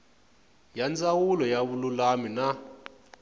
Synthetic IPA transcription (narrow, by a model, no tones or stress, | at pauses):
jand͡zawulɔjaβululamina